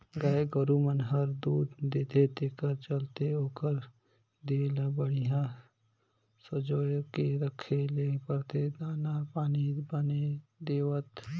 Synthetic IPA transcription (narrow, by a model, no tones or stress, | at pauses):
ɡaeɡəɾumənɦɐɾd̪uːd̪d̪eːt̪ʰet̪ekəɾt͡ʃəlt̪eoːkəɾ | d̪eːlabəɽijã | sɐd͡ʒoːkeɾəkʰːelepəɾt̪ʰed̪aːnapaːnibəned̪eːwət̪